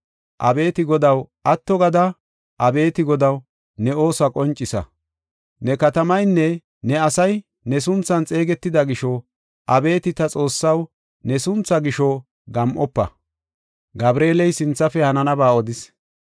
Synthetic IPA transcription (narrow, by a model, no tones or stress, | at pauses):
ʔɐ̰be̞ːt̪ɪɡɔd̪ɐwʔɐt̪ːɔɡɐd̪ɐ | ʔɐbe̞ːt̪ɪɡɔd̪ɐw | nɛo̞ːsɐkʼɔnt͡ʃʼːɪsɐ̰ | nɛkɐt̪ɐmɐjnːɛ | nɛɐsɐj | nɛs̬ʊnt͡sːɐnt͡sʼe̞ːɡɛt̪ːɪd̪ɐɡɪʃɔ | ʔɐbe̞ːt̪ɪt̪ɐt͡sʼo̞ːsːɐw | nɛsʊnt͡sːɐɡɪʃɔ | ɡɐmʔɔpːɐ̰ | ɡɐbɾeːlɛjsɪnt͡sːɐfɛhɐnɐnɐbaːɔd̪ɪs